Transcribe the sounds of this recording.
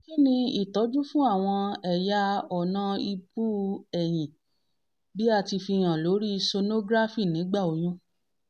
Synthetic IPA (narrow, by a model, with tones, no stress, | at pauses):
ki˦nĩ˧i˦˨tɔ˨˦d͡ʒu˦fũ˦a˦˨w̃ɔ̃˧ɛ˨ja˧ɔ˨nã˧˦i˧bu˦ɛ˨j̃ĩ˨ | bi˦a˦˧˨ti˧fi˧j̃ã˨lo˨˦ɾi˦˧so˧no˦ɡɾa˦fi˦˨nĩ˨˦ɡ͡ba˦˨o˨˦j̃ũ˦